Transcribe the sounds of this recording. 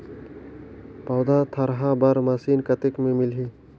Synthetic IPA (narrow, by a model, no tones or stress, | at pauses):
pɐːd̪at̪ʰɐɾɦabɐɾmɐsiːnkɐt̪ɪkmẽmɪlɦiː